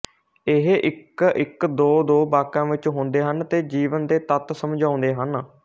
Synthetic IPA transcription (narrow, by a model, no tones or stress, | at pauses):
ɪɦʔɪkɪkd̪oːd̪oːbaːkãːʋɪt͡ʃɦõːnd̪eːɦənt̪eːd͡ʒiːʋənd̪eːt̪ət̪səmd͡ʒãːʊ̃nd̪eːɦən